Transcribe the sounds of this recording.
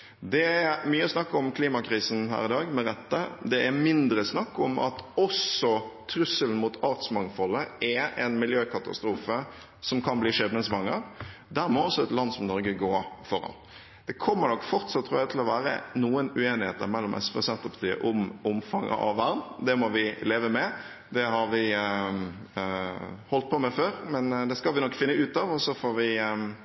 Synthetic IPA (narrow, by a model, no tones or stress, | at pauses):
d̪ɛæmyːəɔsnɑkːɔmkʰliːmɑkʰɾiːsn̩ɦæ̰ːɾɪd̪ɑːɡmɛɾɛt̪ːəd̪ɛæmɪnd̪ɾəsnɑkːɔmɑ̰t̪ɔsɔt̪ʰɾʉsəln̩mut̪ʰɑɾt̪smɑŋt̪fɔlːəɛɛnmɪljøːkʰɑt̪ɑ̰st̪ɾuːfə | sɔmkʰɑnbliːʂɛnəŋsʋɑŋːəɾd̪æɾmɔɔsːɔɛt̪lɑnːsɔmnɔɾɡəɡoːfɔɾɑ̰n | d̪̥ɛkʰɔmːənɔkːfɔɾt̪sɑt̪ʰːɾuːjæt̪ʰɪlɔʋæːɾə̰nuːənʉeːnɪheːt̪əɾmɛlːɔmʔɛ̰sʋɛsɛnt̪əpʰɑ̥t̪ʰiːə̰ʔʊmʊmfɑŋʔə̰ʔɑ̰ʋːæɾnd̪ɛmɔʋɪleːʋəmɛ | d̪ɛhɑɾʋɪ | hɔlt̪̚pʰɔmɛføːɾmɛnd̪ɛskɑlʋɪnɔkːfɪnːəʉːt̪ɑʋɔsːɔfoːɾʋɪ